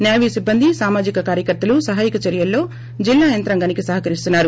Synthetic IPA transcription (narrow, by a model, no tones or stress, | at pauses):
njaːʋiːsibːɐnd̪isaːmaːd͡ʒikɐkaːɾjɐkɐɾt̪ːɐlusɐɦaːjikɐt͡ʃɐɾjɐlːo̞ː | d͡ʒilːaːjɐnt̪ɾɐŋɡɐnikisɐɦɐkɐɾist̪unːaːɾu